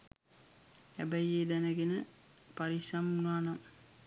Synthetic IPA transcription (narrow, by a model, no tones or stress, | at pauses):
æ̰bəjeːd̪ænəɡenə | paɾisamunaːnam